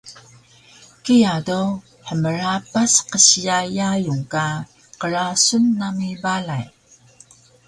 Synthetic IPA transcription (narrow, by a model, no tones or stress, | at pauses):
kijado | ħəməɾapasqəɕijajajuŋka | qəɾasunːamibalaj